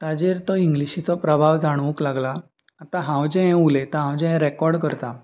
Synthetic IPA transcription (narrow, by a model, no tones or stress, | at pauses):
t̪ad͡ʑeɾt̪ɔiŋɡliɕit͡sɔpɾəbʱaʋd͡zʱaɽ̃ʋũklaɡlaː | t̪aɦãwd͡ʑɛ̃ɦɛ̃ulet̪aɦãwd͡ʑɛ̃ɦɛ̃ɾɛkɔɾɖkəɾt̪a